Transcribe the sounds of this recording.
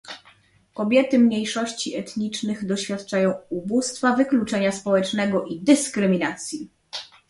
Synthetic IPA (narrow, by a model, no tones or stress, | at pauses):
kɔbʲjɛt̪ɘmɲejʂɔɕt͡ɕiɛt̪ɲit͡ʂnɘɣd̪ɔɕfʲjat̪t͡ʂajɔ̃w̃ubust̪favɘklut͡ʂɛɲaspɔwɛt͡ʂnɛɡɔʔid̪ɘskɾɘmʲinat̪sʲji